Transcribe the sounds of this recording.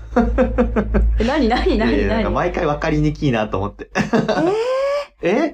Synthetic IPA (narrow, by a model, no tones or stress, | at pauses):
enaɲinaɲinaɲinãɲkamaikaiβakaɾʲiɲikʲiːnat̪o̞ːmo̞t̪ːe̞ | e